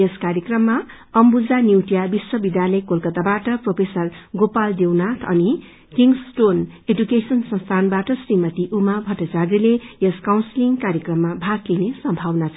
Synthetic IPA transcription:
eskaɾjekrʌmːa | ʌmbud͡zaniwʈijabiswʌbid̪jalʌjkolkʌt̪abaʈʌpropʰesʌrɡopald̪ewnat̪ʰʌ̰ni | kiŋsʈonedukesʌnsʌ̃nst̪ʰanbaʈʌsrimʌt̪iʔumabʱʌʈːʌt͡sarilejʌskawnsliŋkaɾjekrʌmːabʱaɡlinesʌmbʱawnat͡sʰ

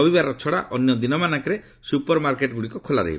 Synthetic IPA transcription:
ɔbibaɾɔt͡ʃʰɔɽa̰ʔɔnjɔd̪inɔmanakɔɾe | supɔɾmaɾkeʈɡuɽikɔkʰolaɾḛḭb

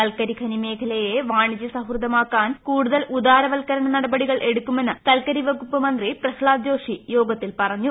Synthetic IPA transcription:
k̪ɐlkɐɾikʰɐnime̞ːkʰɐlɐjeʋaːɳid͡ʑɐsɐɦrd̪ɐmaːkːaːnkuːɽuðɐlud̪aːɾɐʋɐlkɐɾɐɳɐnɐɽɐbɐɽiɣɐɭʔe̞ɽukːume̞nːɨk̪ɐlkɐɾiʋɐɡupːɐmɐnd̪riprɐkʰɭaːd̪jo̞ːʂijo̞ːɡɐt̪ːilpɐrɐɲːu

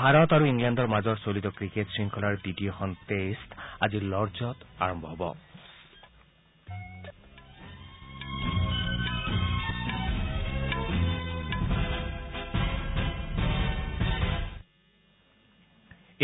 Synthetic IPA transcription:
bʱaɹɔt̪aɹuiŋlandɔɹmazɔɹsolit̪ɔkɹiketsɹiŋkʰɔlaɹditijɔxʰɔntestazilɔɹzɔt̪a̰ɹɔmbʱɔɦɔbɔ̰

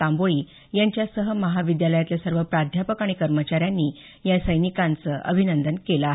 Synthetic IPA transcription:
ãmboɭiː | jaɲt͡ɕjasəɦəməɦaʋid̪jaləjat̪ljasəɾʋəpɾad̪ʱjapəkaɽ̃ikəɾmət͡ɕaɾjanːiː | jasəjnikãnt͡səʔə̰bʱinənd̪ənkeləaːɦ

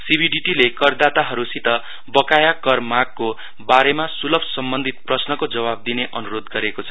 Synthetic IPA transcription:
sibʱiɖiʈilekʌrd̪at̪aɦʌɾusit̪ʌ | bʌkajakʌrmaɡ̚ko | baɾemasulʌbʱsʌmbʌnd̪ʱit̪̚prʌsnʌkod͡zʌβab̚d̪ineʔʌnuɾod̪ɡʌɾekot͡sʰʌ̥

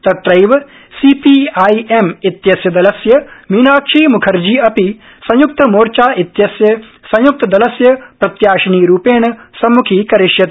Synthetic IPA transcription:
t̪ɐt̪ɾɐjʋɐ | siːpiːaːjemit̪jɐsjɐd̪ɐlɐsjɐmiːnaːkʂiːmukʰɐɾd͡ʒiːɐpi | sɐ̃juk̚t̪ɐmoːɾt͡ʃaːʔit̪jɐsjɐsɐ̃juk̚t̪ɐd̪ɐlɐsjɐpɾɐt̪jaːʃɐniːɾuːpeːɳɐsɐmːukʰiːkɐɾɪʃjɐt̪

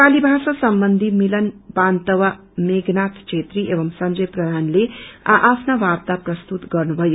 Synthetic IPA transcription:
paːlibʱasasʌmbʌnd̪ʱimilənbant̪əʋa | meɡnat̪ʰt͡ʃʰet̪ɾiʔeʋʌmsʌɲd͡ʒʌjpɾɐd̪ʱaːnlea̰ʔapʰnaʋab̚t̪aprʌst̪ut̪ɡʌɾnubʱʌju

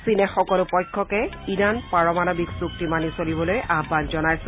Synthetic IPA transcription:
sinɛxɔkɔlʊpɔjkʰːɔkɛinanpaɹɔmanobiksuktimanisolibɔlojʔabːanzɔnajsɛ

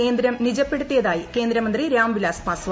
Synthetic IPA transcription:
e̞ːnd̪ɾɐmnid͡ʑɐpːe̞ɽut̪ːijɐðaːjike̞ːnd̪ɾɐmɐnd̪riɾaːmʋilaːspaːsʋ

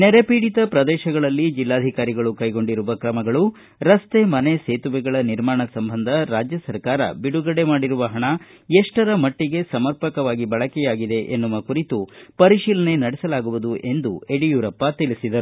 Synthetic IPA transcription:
neɾepiːɽit̪ɐpɾɐd̪ɛːʃɐɡɐɭɐlːid͡ʒilːaːd̪ʱikaːɾiɡɐɭukɐjɡo̞ɳɖiɾuʋɐkɾɐmɐɡɐɭu | ɾɐst̪e̞mɐneseːt̪uʋɛɡɐɭɐniɾmaːɳɐsɐmbʱɐnd̪ʱɐɾaːd͡ʒjɐsɐɾkaːɾɐ̰biɽuɡɐɽe̞maːɽiɾuʋɐɦɐɳɐ | eʂʈɐɾɐmɐʈːiɡe̞sɐmɐɾpɐkɐʋaːɡibɐɭɐkɛjaːɡid̪e̞ʔenːuʋɐkuɾit̪upɐɾiʃiːlɐne̞nɐɽɛsɐlaːɡuʋud̪uʔe̞nd̪ṵeɽijuːɾɐpːɐt̪iɭisid̪ɐɾu

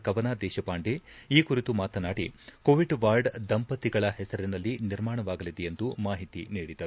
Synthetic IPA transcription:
kɐʋɐnaːd̪ɛːʃɐpaːɳɖeiːkuɾit̪umaːt̪ɐnaːɽikoːʋiɖʋaːɾɖd̪ɐmpɐt̪iɡɐɭɐɦɛsɐɾinɐlːiniɾmaːɳɐʋaːɡɐlid̪ejend̪umaːɦit̪iniːɽid̪ɐɾu

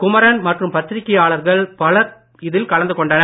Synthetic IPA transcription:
kʊmɐɾɐnmɐʈrɯmpɐt̪ːɪɾɪkːɐjaːɭɐɾɣɐɭpɐlɐɾ | ɪðɪlkɐlɐnd̪ɯkɔɳɖɐnɐ

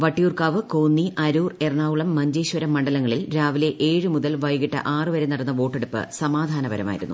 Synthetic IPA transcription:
ʋɐʈːijuːrkaːʋɨkoːnːiʔɐɾuːre̞rɳaːʋuɭɐmːɐɲd͡ʑeːɕʋɐɾɐmːɐɳɖɐlɐŋːɐɭilɾaːʋile̞ʔeːɻɨmuðɐlʋɐjɣiʈːɐ̰ʔaːrɨʋɐɾenɐɽɐnːɐʋo̞ːʈːe̞ɽupːɨ̰sɐmaːd̪ʱaːnɐbɐɾɐ̰ma̰ːjḭɾunːṵ

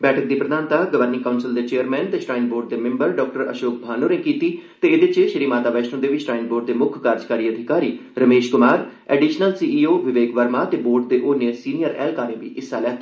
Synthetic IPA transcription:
bɛːʈʰəkd̪iːpɾəd̪aːnt̪aːɡəʋəɾniːkaːʊnsɪld̪eːt͡ʃeːəɾmɛːnt̪eːʃʈaːɪnboːɾʈ̚d̪eːmɪ̃mbəɾɖɔːk̚ʈəɾə̰ʃoːk̚bʱaːnoːɾẽkiːt̪iːt̪eːɪd̪ɪt͡ʃʃɪɾiːmaːt̪aːʋɛːʃʈõːd̪eːʋɪʃʈɾaːɪnboːɾʈ̚d̪eːmʊkʰkaɾd͡ʒkaːɾiːəd̪ʱɪkaːɾiːɾəmeːʃkʊmaːɾ | ɛːɖiːʃnəlsiːiːoːʋɪʋeːkʋəɾmaːt̪eːboːɾʈ̚d̪eːʔonẽːsiːnijəɾɛ̰ːlkaːɾẽːʋḭːʔɪsːaːlɛː

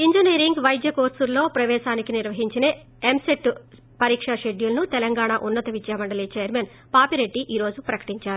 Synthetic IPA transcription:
iɲd͡ʒiniːɾiŋɡʋɐjd̪jɐkoːɾsuɾlːo̞ːpɾɐʋɛːʃaːnikiniɾʋɐɦiɲt͡ʃine | emseʈː | pɐɾiːkʂɐʃeɖjulɐnut̪ɛlɐŋɡaːɳaʔunːɐt̪ɐʋid͡ʒjaːʋɐɳɖɐliːt͡ʃeːjɐɾmeːn | paːpiɾe̞ɖːiʔiːɾo̞ːd͡ʒupɾɐkɐ̥ʈiɲt͡ʃaːɾuu

